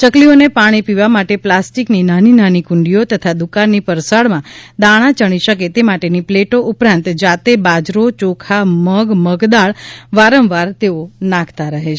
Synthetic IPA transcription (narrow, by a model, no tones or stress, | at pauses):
t͡ʃəklionepaɽ̃ipiʋamaʈeplasʈikninaninanikʊɳɖiot̪ət̪ʰad̪ukaɾnipəɾsaɭmãd̪aɽ̃ãt͡ʃəɽ̃iʃəket̪emaʈenipleʈoʔupɾãnt̪d͡ʒat̪ebad͡ʒɾot͡ʃokʰaməɡməɡd̪aɭʋaɾə̃mʋaɾt̪eonãkʰt̪aɾəɦet͡ʃʰ